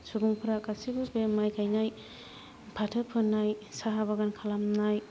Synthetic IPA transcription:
suɡuŋpʰɯɾakasibɯbemajkʰajnaj | pʰatʰɯpʰɯnajsaɦabaɡankʰalamnaj

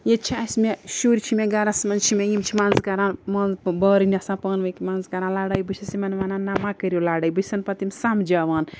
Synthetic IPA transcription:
jet͡ʃʰasmeʃuɾt͡ʃʰimeɡaɾasmɐnt͡ʃʰimejimt͡ʃʰimanzkɐɾãːnmɐnzbəɾɨniɐsãpɐːnʋɐjkimanzkɐɾãnlaːɽɐjbɨt͡ʃʰɐsimɐnʋananamãkəɾʲjolaɽaːjbɨsɐnpɐt̪imsamd͡ʒaʋaːn

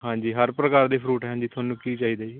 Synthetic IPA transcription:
ɦãːɲd͡ʒiːɦəɾpɾəkaːɾd̪eːpʰɾuːʈɦɛãːd͡ʒiːt̪ʰʊaːnũːkiːt͡ʃaːɦiːd̪eːd͡ʒiː

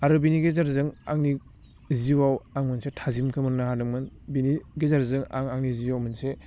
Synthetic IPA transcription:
aɾubiniɡezaɾzɯŋa̰ŋni | ziwawaŋmɯnsetʰazimkʰɯmɯnːahadɯŋmɯnbiniɡezaɾzɯŋa̰ŋaŋniziwawmɯnse

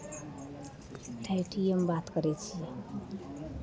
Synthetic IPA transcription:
ʈʰajʈʰiembat̪kʌɾet͡sʰi

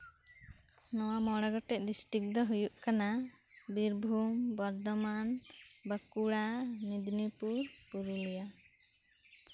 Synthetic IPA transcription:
nɔwamɔɽaɡɔʈɛʔ̚ɖisʈɾik̚d̪ɔɦujuʔkana | biɾbʱumbɔɾd̪ɔmanbəkuɽanid̪nipuɾpuɾulija

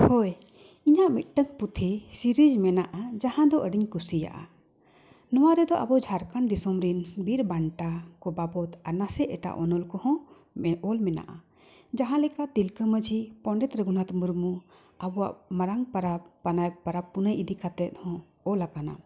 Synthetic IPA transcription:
hoj | iɲaʔmit̪̚ˀʈəŋput̪ʰisiɾid͡ʒmɛnaʔad͡ʒahãd̪ɔʔəɖiɲkusija̰ʔa̰ | nɔwaɾɛd̪ɔʔa̰bɔd͡ʒʱaɾkand̪isɔmɾinbiɾbaɳʈakɔbabɔt̪aɾnasɛɛʈa̰ʔɔ̰nɔlkɔhɔ̃ | ɔlmɛna̰ʔa̰ | d͡ʒaɦãlɛkaʔt̪ilkəməd͡ʒʱipɔɳɖɛt̪ɾɛɡunat̪muɾmu | abɔwa̰ʔmaɾaŋpɾapanapaɾapunəjʔid̪ikat̪ɛt̪̚hɔ̃ | ɔlakana̰

